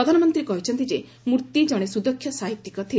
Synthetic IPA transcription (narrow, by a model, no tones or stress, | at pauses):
ɾɔd̪ʱanɔmɔnt̪ɾikɔɦit͡ʃʰɔnt̪id͡ʒe | muɾt̪id͡ʒɔɽ̃esud̪ɔkʰːjɔsaɦit̪ːikɔt̪ʰi